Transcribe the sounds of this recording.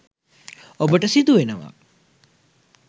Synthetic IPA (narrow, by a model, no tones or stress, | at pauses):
obəʈəsid̪uʋenəʋa̰